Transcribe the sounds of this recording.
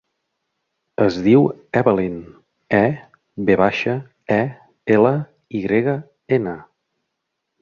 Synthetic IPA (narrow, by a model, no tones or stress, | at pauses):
əzðiwɛβəlin | ɛ | beβaʃə | ɛ | elə | iɣɾeɣə | enə